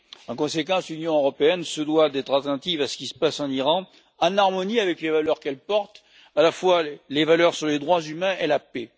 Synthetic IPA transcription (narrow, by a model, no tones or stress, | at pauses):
ɑ̃kɔ̃sekɑ̃slynjɔ̃øʁɔpeɛnsəd̪wad̪ɛt̪χat̪ɑ̃nt̪ivasə̥kʲisə̥pasɑ̃niʁɑ̃ | ɑ̃naʁmɔniavɛklevalœʁkɛlpɔʁt̪ | alafwalevalœʁsyʁled̪ʁwazymɛ̃ʔelape